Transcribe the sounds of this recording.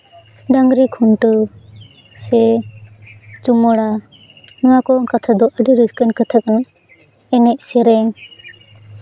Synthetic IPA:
ɖaŋɡɾikʰuɳʈə | sɛ | t͡ʃuməɽa | nɔwakɔkat̪ʰad̪ɔʔəɖiɾid͡ʒkənkət̪ʰək̚ə | ɛnɛʔ̚sɛɾɛŋ

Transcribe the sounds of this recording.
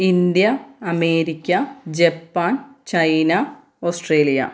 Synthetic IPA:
ind̪jɐɐmeːɾikʲːɐd͡ʑepːaːnt͡ɕɐjnɐ | oːsʈreːlijɐ̰

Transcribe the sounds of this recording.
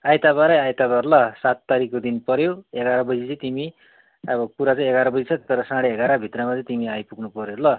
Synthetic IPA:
ajt̪abaɾʌjajt̪abarlʌsat̪ːaɾikod̪inpʌɾjoeɡaɾʌbʌd͡zit͡sʌĩt̪imi | ʌbʌkuɾat͡saĩeɡaɾʌbʌd͡zit͡sʰʌt̪ʌɾʌsãɽeeɡaɾʌbʱit̪rʌmat͡sʌ̃t̪imiajpuɡnupʌɾjolʌ

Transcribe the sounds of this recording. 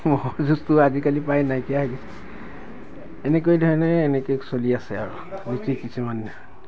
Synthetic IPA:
mozustuazikalipajnajkijaɦaɡisɛ̥ | ɛnɛk̬ojdʱɔɹɛnɛːnɛkoksoliasɛaɹu | bistikisumanːɛɔ

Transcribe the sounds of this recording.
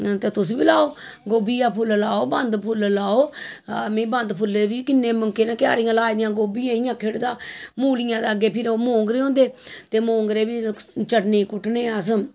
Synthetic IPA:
t̪eːt̪ʊsbiːlaːoːɡoːbiːãːpʰʊllaːoːbənd̪pʰʊllaːoːmẽːbənd̪pʰʊlːebiːkɪnːeːməŋkeːnãːkja̰ːɾijãːlaːid̪ɪjãːɡoːbiːjãːɪjãːkʰeɽd̪aːmuːlijãːd̪əɡeːpʰɪɾoːmõːŋɡɾeːõːnd̪eːt̪eːmõːŋɡɾeːbiːt͡ʃəʈniːkʊʈneːaːs̬ə

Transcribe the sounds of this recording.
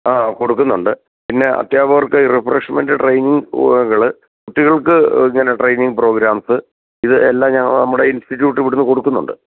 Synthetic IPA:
aːko̞ɽukːunːuɳɖɨ | pinːe̞ʔɐ̰t̪jaːbɐʋɐrkːɨirifreʂmendɨʈrejniŋɡɣɐɭɨ | kuʈːiɣɐɭkɨiŋːɐne̞ʈrejniŋɡ̚pro̞ːɡɾaːmsɨ | iðɨelːaːmɲɐŋːɐɭnɐmːuɽe̞institːjuːʈːɨʋiɽunːɨko̞ɽukːunːuɳɖɨ̰

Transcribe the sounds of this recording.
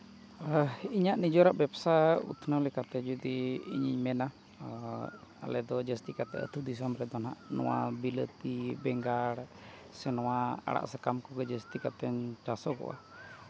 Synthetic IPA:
iɲaʔnid͡ʒɔɾaʔbɛbsaṵt̪ʰnalɛkat̪ɛd͡ʒud̪iḭɲḭɲmɛna | a̰lɛd̪ɔd͡ʒəst̪ikat̪ɛ̰ə̰t̪ʰud̪is̬ɔmɾɛd̪ɔnɦa̰ʔnɔ̰wa̰bilət̪ibɛŋɡaɽ | sɛnɔwaa̰ɽa̰ʔsəkamkɔɡɛd͡ʒəst̪ikat̪ɛɲt͡ʃasɔkɔ̰ʔa̰

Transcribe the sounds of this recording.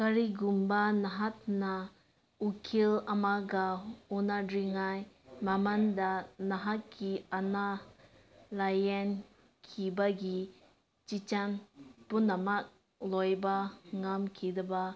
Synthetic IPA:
kaɾiɡumbɐnaɦat̚na | ukʰilɐmaɡaunadɾiŋajmamandanaɦat̚kiana | lajen | kʰibaɡi | t͡ʃit͡ʃanpunːɐmak̚ | lojbaŋamkʰidɐba

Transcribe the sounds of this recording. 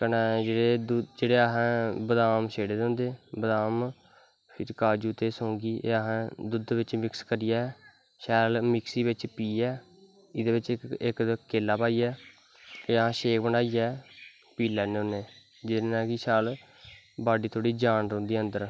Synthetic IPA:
kənɛːd͡ʒeːɽeːd̪ud͡ʒeːɽeːəɦãːbəd̪aːmʃeːɽeːd̪ẽːnd̪eːbəd̪aːm | pʰɪɾkaːd͡ʒuːt̪eːsõːŋɡiːʔḛːəɦãːd̪ʊd̪ʋɪt͡ʃmɪkskəɾɪːjaː | ʃɛːlmɪksiːbɪt͡ʃpiːɛː | ɪd̪eːʋɪt͡ʃɪkkeːlːaːpaːiːɛː | eːəɦãːʃeːkbəɳaːiːɛː | piːlɛːneːõːneː | d͡ʒɪd̪eːnãːkɪʃaːl | baːɖiːt̪ʰoːɽiːd͡ʒaːnɾõːnd̪iːənd̪əɾ

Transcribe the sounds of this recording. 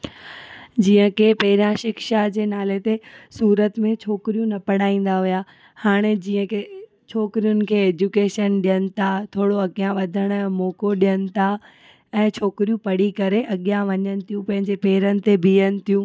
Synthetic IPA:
d͡ʑiːə̃kʰepɐɦɪɾjãʃɪkʃad͡ʑeːnaːlet̪esuːɾət̪mẽt͡ɕʰoːkɪɾijũnɐpɐɽ̤aːĩːn̆d̪aɦujaː | haːɽ̃ed͡ʑiːə̃kʰe | t͡ɕʰoːkɪɾijʊnɪ̆kʰeːeːd͡ʑukeːʃənɗijənɪ̆t̪ʰat̪ʰoːɽoɐɠijãʋɐd̪ʱəɽ̃ɛ̃ːmoːkoɗijənɪ̆t̪ʰa | ɛ̃ːt͡ɕʰoːkɪɾijũpɐɽikɐɾeʔɐɠijãʋɐɲənɪ̆t̪ʰijũpɐ̃ɦɪ̃ɲd͡ʑepeːɾənɪ̆t̪ebʱiənɪ̆t̪ʰijũː

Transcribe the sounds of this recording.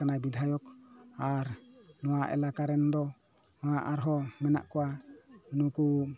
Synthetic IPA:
anajbid̪ʱajɔkaɾnɔwaʔɛ̰lakaɾɛnd̪ɔ | ɔwaʔaɾɦɔmɛna̰ʔkɔwanuku

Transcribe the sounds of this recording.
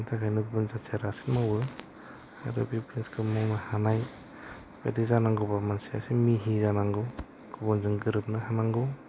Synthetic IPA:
ntʰakʰajnɯɡubunzaseɾasinmawɯ | a̰ɾɯ̰bipɾinskʰɯmɔŋnahanaj | bḛdizanaŋɡubamansia̰simiɦizanaŋɡɯ | ɡ̥ubɔnzɯŋɡɯɾɯp̚nahanaŋɡɯw

